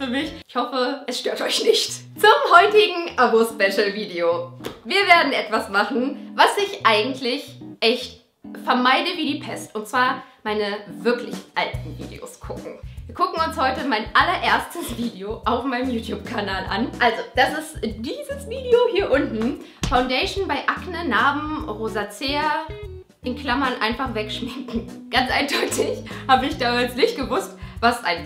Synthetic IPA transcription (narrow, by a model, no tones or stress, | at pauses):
fyːɐmɪçʔɪçhɔfəʔɛsʃtøːɐtɔʏçnɪçt | t͡sʊmhɔʏtɪɡŋ̩ʔabospɛʃl̩viːdeoviːɐveːɐdn̩ʔɛtv̥asmaχn̩vasɪçʔaɪɡŋ̩tʰlɪçʔɛçt | fɛɐmaɪdəviːdiːpʰɛstʊntt͡sv̥aːɐmaɪnəvɪɐklɪ̰çʔaltn̩vḭːdḛo̰sɡ̥ʰʊkŋ̩viːɐɡ̥ʊkŋ̩ʊnshɔʏtəmaɪnʔalɐʔeːɐstʰəsv̥iːdeoʔaʊfmaɪnəmjuːtʰjuːpkʰanaːlʔa̰nʔalzod̥asɪstd̥iːzəsv̥iːdeohiːɐʔʊntn̩ | faʊndɛɪʃn̩baɪʔaknənaːbm̩ʁoːzat͡seːɐ | ʔɪnkl̥amɐnʔa̰ɪnfaχv̥ɛkʃmɪŋkŋ̩ | ɡ̥ant͡sʔaɪnd̥ɔʏtɪçhaːbəɪçd̥aːmaːlsnɪçt̚ɡ̥əvʊstvasʔa̰ɪn